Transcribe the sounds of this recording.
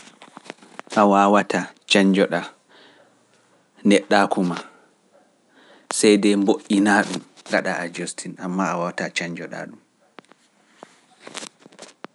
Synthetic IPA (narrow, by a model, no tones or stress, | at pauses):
ʔawaːwatʰat͡ʃaɲd͡ʒɔɗa | nɛɗːakuma | sɛjdɛmboʔinaːɗumɡaɗaad͡ʒostʰinamːaawawatat͡ʃaɲd͡ʒɔɗa̰ɗum